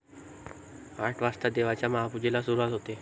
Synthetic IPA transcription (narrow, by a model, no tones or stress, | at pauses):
aʈʰʋast̪ad̪eʋat͡ɕjamaɦapud͡ʑelasuɾuʋat̪ɦot̪e